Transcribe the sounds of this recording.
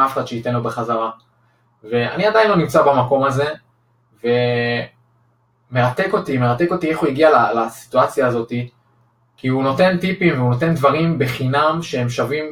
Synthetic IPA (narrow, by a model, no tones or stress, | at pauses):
afeχad̥̪ʃeite̞nlobeχazaʁa | ve̞a̰niadajinlo̞nimt͡sabamako̞maze̞ | ve̞ | meʁat̪e̞ko̞t̪ime̞ʁat̪eko̞t̪ie̞χuiɡialalasi̥t̪uat͡sjaːzo̞t̪i | kiuno̞te̞nt̪ipimveuno̞t̪e̞nd̪vaʁimbe̞χinamʃehemʃavim